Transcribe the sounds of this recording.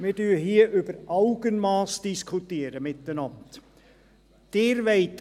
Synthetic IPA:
mɪdyːhiːʔʉb̥əɾʔɑʊɡ̥ənmɑːsd̥ɪskʰʊtiːɾəmɪt̪ːənɑnt | d̪̥eːɾʋɛɪt

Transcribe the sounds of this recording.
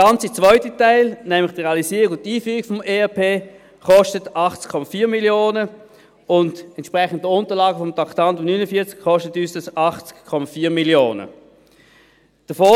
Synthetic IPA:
ə̥ɑnt͡sit͡svœʏtətaɪlnɛmlɪχd̥ʁeɑlisiːʁiɡʊntːiːfyːʁiɡ̥fɔmeːɛpʰeː | χɔʃtətɑχt͡skʰːɔmafiːɐmiljoːnə | ʊndɛntʃpʁɛχən̩d̚dəʊntəʁlɑːɡəfɔmtʰɑktɑntʊmnynəfiːɐt͡skχɔʃtətyːsd̥ɑsɑχt͡skkʰːɔmafiːɐmiljoːnə̰ | d̥əfoː

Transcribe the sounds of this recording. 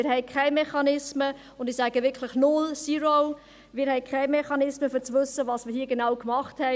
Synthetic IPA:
ɪɾhɛɪkʰɛɪmeχɑnɪsmə | ʊndɪsaːɡəʋɪkʰlɪχnʊlsiːɾoʊ | mɪːɾhɛɪkʰɛɪmeχɑnɪsməfyːt͡sʋʏsːəvɑːsmɪːhiːəɡenaʊkmɑχthɛ

